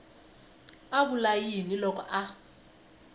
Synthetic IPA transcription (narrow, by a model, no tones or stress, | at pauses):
aɓulajinilɔkʰʼɔʔa